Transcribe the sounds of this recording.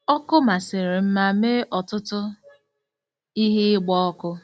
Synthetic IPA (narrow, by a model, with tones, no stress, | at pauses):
ɔ˦kʊ˦ma˨sɪ˨ɾɪ˨m̩˦ma˦me˦ʔɔ˨tʊ˦tʊ˦ | i˦ɦɪ˦ɪ˦ɡ͡bɔ˦ɔ˦kʊ˦